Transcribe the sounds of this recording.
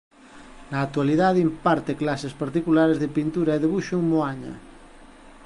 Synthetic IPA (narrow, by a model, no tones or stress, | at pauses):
naːk̚t̪ualiðaðimpaɾt̪eklasespaɾt̪ikulaɾezðepint̪uɾɐeðeβuʃuŋmoaɲɐ̰